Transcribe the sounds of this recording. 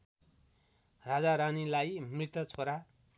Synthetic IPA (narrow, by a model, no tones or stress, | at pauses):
rad͡zaɾanilajmrit̪ʌt͡sʰoɾa